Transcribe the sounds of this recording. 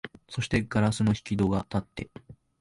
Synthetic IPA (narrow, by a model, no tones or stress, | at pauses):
so̞ɕi̥t̪e̞ɡaɾasɨno̞çi̥kʲid̪o̞ɡat̪at̪ːe̞̰